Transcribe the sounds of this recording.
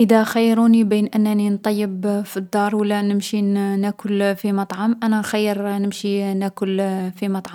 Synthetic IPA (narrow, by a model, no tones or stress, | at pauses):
ʔəd̪æxajːɾunibiːnʔənːnint̪ˤɑjːəbfid̪ːɑɾˤwəlːænəmʃinækʊlfimɑt̪ˤʕɑmʔænæxæjːəɾnəmʃinækʊlfimɑt̪ˤʕɑ